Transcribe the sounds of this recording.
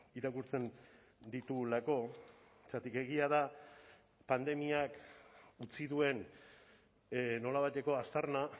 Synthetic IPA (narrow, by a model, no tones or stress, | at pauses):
iɾakuɾt͡se̞n | d̪it̪ulako̞ | t͡sat̪ike̞ɣiað̞a | pand̪e̞miakut͡siðue̞n | no̞laβajt̪e̞ko̞ast̪aɾna